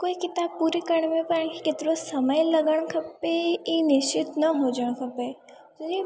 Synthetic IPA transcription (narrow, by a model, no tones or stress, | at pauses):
koːikɪt̪aːb̚puːɾikɐɽ̃mẽpɐɾəɳkikɪt̪ɾosɐməjlɐɡəɽ̃kʰɐpeinɪʃt͡ʃɪt̪nɐɦod͡ʒəɽ̃kʰɐpe | t̪od͡ʒi